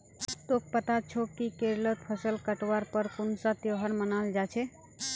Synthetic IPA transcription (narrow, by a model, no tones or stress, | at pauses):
t̪ok̚pət̪at͡ʃʰokikeɾlət̪̚pʰəsəlkəʈwaɾpəɾkunsat̪joɦəɾmənald͡ʒat͡ʃʰɛ